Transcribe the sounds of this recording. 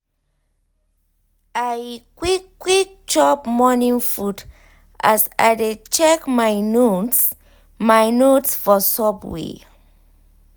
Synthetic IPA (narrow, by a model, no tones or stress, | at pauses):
ajkwikːwik̚ | t͡ʃɔpmɔnĩŋfud | ʔa̰sa̰jdet͡ʃɛkmajnot | majnotsfɔsɔpwḛ